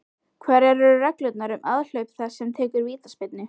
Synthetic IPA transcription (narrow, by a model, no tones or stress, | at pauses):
kʰvɛːɾɛɾʏɾʏrɛklœɥt̪naɾʏmʔaðl̥œɥt̪θasɛmt̪ʰɛːkʏɾviːt̪aspɪt̪nɪ